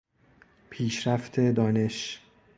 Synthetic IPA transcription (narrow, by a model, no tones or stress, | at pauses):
pʰiːʃɾæft̪ʰe̞d̪ɒːne̞ʃ